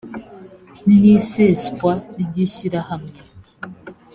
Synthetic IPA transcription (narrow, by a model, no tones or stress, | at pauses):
niːseːskwaɟiːçiɾahamŋe